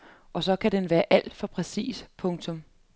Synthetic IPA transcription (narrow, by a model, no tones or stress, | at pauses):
ʔɒ̽sɒ̽kʰæd̥enʋæːɐʔæl̰d̥fɒ̽pʰʁɛsḭːspʰɔ̽ŋt͡sʰɔ̽m